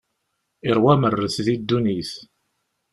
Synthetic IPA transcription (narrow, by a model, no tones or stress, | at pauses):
iɾˤwæmərːəθðid̪ːuniθ